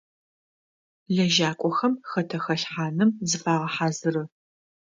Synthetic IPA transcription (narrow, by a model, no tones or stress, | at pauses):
ɮɐʒaːkʷʼɔxɐmxɐtʰɐxɐɬħaːnɨmzɨfaːʁɐħaːzɨrɨ